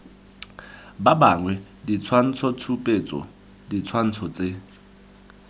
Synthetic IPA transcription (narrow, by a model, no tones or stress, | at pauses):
babaŋwɛ | dit͡sʰwan̩t͡sʰɔt͡sʰupʼet͡sʼɔ̰ | dit͡sʰwan̩t͡sʰɔt͡sʼe